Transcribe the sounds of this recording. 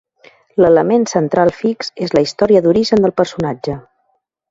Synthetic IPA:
lələmensənt̪ɾalˠfiksezləist̪ɔɾiəðuɾiʒənd̪əlˠpəɾsunad͡ʒə

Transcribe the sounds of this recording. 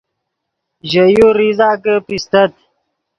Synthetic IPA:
ʑəjoɾizaːkəpist̪ət̪

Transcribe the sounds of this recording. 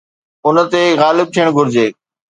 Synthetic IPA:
ʊnə̆t̪eɣaːlɪb̚t̪ʰijəɽ̃ɡʱʊɾɪd͡ʑeː

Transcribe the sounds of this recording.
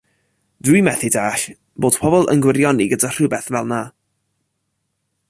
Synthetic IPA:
d̥wimɛθɪdaːɬ | b̥oːd̥pʰɔbɔlˠʔə̰nɡwɪɾjɔniɡədar̥ɨbɛθvɛlˠna

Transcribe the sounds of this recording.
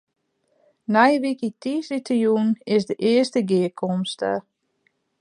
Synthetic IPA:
najʋikitisitʰəjunɪsdəʔɪəstəɡɪəkʰɔmstə̰

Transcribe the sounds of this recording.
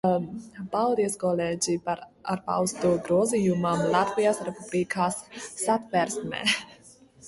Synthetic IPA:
palˠd̪iskɔleːd͡ʑipaɾa̰ɾpa̰wst̪uːɡɾuɔzijumamlˠat̪vijasɾepublikʰaːsːat̪vɛɾsmɛ̰ː

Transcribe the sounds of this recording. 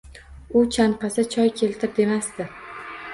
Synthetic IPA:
ʊt͡ʃʰanqɑsɪt͡ʃʰɒjkʲʰe̞lt̪ʰɪɾ̚d̪e̞masd̪ɪ

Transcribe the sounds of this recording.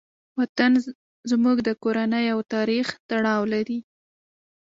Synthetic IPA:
wat̪an | zmuɡd̪əkoɾanəjawt̪ɑɾixt̪aɽɑwlaɾi

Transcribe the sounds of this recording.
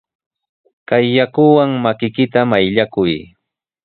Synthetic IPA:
kajːakʊwaŋmakɪkɪt̪amajʎakʊj

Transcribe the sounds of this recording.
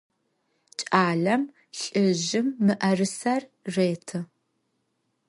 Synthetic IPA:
t͡ʃʼaːɮɐm | ɬʼɨʒɪmːɨʔɐrɨsɐrreːtʰɨ

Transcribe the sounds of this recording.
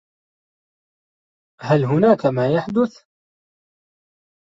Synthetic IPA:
hælɦʊnæːkamæːjaħd̪ʊθ

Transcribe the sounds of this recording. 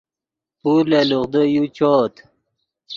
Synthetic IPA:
puɾleluʁd̪əjut͡ɕoːt̪

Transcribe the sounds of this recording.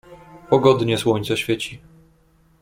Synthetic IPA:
pɔɡɔd̪ɲɛswɔɲt̪sɛɕfʲjet͡ɕi

